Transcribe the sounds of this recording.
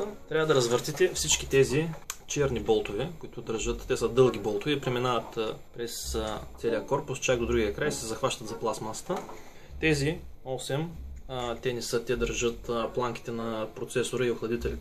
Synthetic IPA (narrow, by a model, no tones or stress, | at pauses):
t̪ɾʲavəd̪ɐɾɐzvəɾt̪it̪ɛfsit͡ʃkit̪ɛzit͡ʃɛɾnibɔlˠt̪ovɛkoit̪ʊd̪əɾʒɤt̪t̪ɛsəd̪ɤlˠɡ̟ʲibɔlˠt̪ʊvɛpɾɛminavət̪pɾɛst̪sɛliɐkɔɾpʊst͡ʃaɡ̚d̪od̪ɾuɡʲiɐkɾajsɛzɐxvaʃt̪ɐt̪zɐplˠasmasə̥t̪ə | t̪ɛzi | ɔsɛm | t̪ɛnɛsɤt̪ɛd̪əɾʒɤt̪plˠaŋk̟i̥t̪ɛnɐpɾot̪sɛsoɾəioxlˠɐd̪it̪ɛli